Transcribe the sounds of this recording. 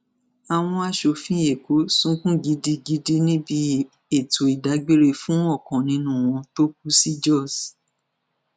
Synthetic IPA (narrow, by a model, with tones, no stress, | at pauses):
a˨w̃ɔ̃˧a˨˧ʃo˨fĩ˦je˨ko˨˦sũ˦kũ˦ɡi˨˧di˧ɡi˧di˧nĩ˦bi˧ | e˦˨to˨i˨da˨˦ɡ͡be˦ɾe˧fũ˦ɔ˦˨kɔ̃˨nĩ˧nũ˦w̃ɔ̃˧to˦k̚u˦si˦d͡ʒɔ˦˨s